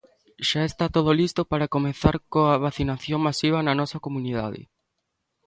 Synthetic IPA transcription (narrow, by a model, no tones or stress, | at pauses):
ʃaest̪at̪oð̞olist̪opaɾakomẽθaɾkoaβaθinaθjõŋmasiβ̞ɐnanɔsakomuniða̰ðɪ̰